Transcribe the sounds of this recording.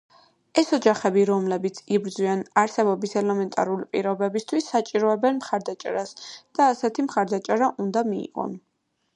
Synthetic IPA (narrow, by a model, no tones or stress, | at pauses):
ɛsɔd͡ʒaχɛbiɾɔmlɛbit̪sʰibɾd̪zwianaɾsɛbɔbisɛlɛmɛnt̪ʼa̰ɾulipʼḭɾɔbɛbist̪ʰwisːat͡ʃʼiɾɔɛbɛnmχaɾd̪at͡ʃʼɛ̰ɾasd̪̥aːsɛt̪ʰimχaɾd̪at͡ʃʼɛɾaʔund̪amiḭʁɔ̰n